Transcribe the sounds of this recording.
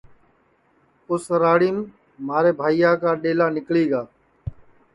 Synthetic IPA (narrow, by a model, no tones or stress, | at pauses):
ʊsɾaːɽiːm | maːɾeːbʱaːijaːkaːɗeːlaːnɪkliːɡaː